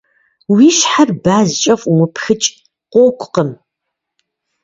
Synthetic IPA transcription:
wiʃħarbaːzt͡ʃʼɐfumɨpʰxɨt͡ʃʼ | qʷʼoːkʷʼqəm

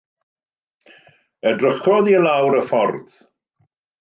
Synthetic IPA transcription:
ədrəχɔðilˠawɾəfɔrð

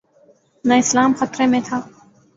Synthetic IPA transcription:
naːɪslaːmxət̪ɾẽːmẽːt̪ʰaː

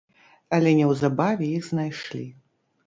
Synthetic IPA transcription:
ɐlʲɛnʲɛwzabavʲɛjiɣznajʂlʲi

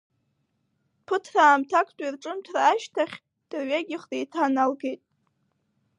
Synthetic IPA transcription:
pʰɨtʰraːmtʰakʰtʼairʈ͡ʂʼɨmtʰraːʃtʰaχʲ | d̥ɨrɥaɡʲɪχrejtʰanalɡejtʼ

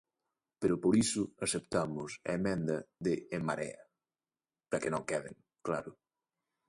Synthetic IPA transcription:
peɾʊpoɾisʊasep̚t̪amʊsɐ̰emɛ̃nd̪ɐðeːmaɾɛ̰ɐ | pɾɐkenõŋkɛðɪ̰ŋ | kla̰ɾʊ

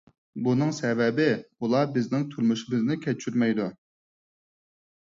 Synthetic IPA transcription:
bunɨŋsɛvɛbɪulˠɑbɪznɪŋt̪ʰylmuʃɪmɪznɪkʲʰɛt͡ʃʰyɾmɛjd̪u

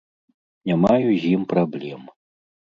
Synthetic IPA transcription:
nʲamajuzʲjimpɾablʲɛm

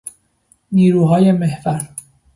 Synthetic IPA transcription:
niːɾuːɦɒːje̞mehvæɾ

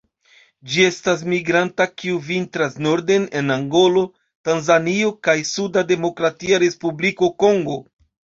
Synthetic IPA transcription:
d͡ʒie̞stas̬miɡɾantakiuvintɾasno̞ɾde̞ne̞naŋɡo̞lo̞ | tanzanio̞kajsudade̞mo̞kɾatiaɾe̞spubliko̞ko̞ŋɡo̞

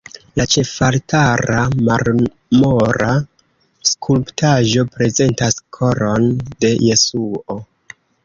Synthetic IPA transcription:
lat͡ʃe̞faltʰaɾamaɾ | moɾa | skʰulptaʒo̞pɾe̞ze̞ntaskʰo̞ɾo̞nde̞je̞suo̞

